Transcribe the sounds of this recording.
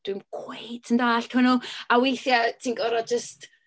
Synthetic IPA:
d̥wɪmkʰw̥ejtʰəndaːɬtʰʊnʊawejθjatʰinɡɔɾɔd͡ʒəst

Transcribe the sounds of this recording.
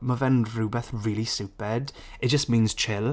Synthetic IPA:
məvɛnɹuːbɛθɹiːlˠisʉwpɛd | ɪt̚d̥ʒ̥əstmĩːnz̥t͡ʃʰɪlˠ

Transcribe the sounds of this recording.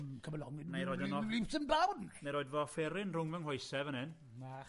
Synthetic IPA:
kʰəməlɔŋɪmajɾoːjdənɔlipsənblawnmajɾoːɨdvɔfɛɾɪnrʊŋvəŋhʊjsɛvənɨn | a

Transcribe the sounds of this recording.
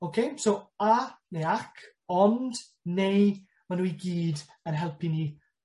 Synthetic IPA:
okʰejsowanejakʰ | ɔnd | nej | manuiɡiːd | ənɦɛlˠpʰiniː

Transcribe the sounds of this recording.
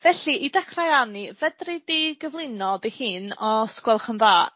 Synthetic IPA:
vɛɬiʔidɛχrajanivədridiɡəvlˠɪnɔdihɨːnɔskwɛlˠχənðaː

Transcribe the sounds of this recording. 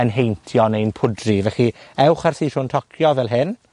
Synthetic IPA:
ənɦejntʰjɔnejnpʰʊdrivɛχiɛwχarθiːrʰʊːntʰɔkʰjɔvɛlˠɦɪn

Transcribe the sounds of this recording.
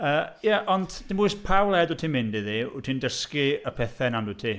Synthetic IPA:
əːjaʔɔndd̥ɪmbujspʰawlˠɛdʊtʰinmɪndiðiʊ̰tʰindəskiəpʰɛθɛnandutʰi

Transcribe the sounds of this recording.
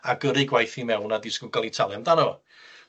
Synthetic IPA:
aɡ̥əɾɨɡwajθimɛwnadɪskʊɡalˠitʰalˠamdanɔ

